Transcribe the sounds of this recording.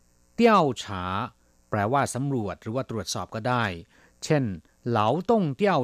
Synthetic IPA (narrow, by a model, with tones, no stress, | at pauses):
t̪i˥˩əwt͡ɕʰaː˩˦ | pɾɛː˧waː˥˩sa˩˦mɾu˨˩ət̪̚ɾɯː˩˦waː˥˩t̪ɾu˨˩ət̪̚sɔː˨˩p̚kɔː˥˩daː˥˩j | t͡ɕʰe˥˩n | la˩˦wt̪o˥˩ŋt̪i˥˩ə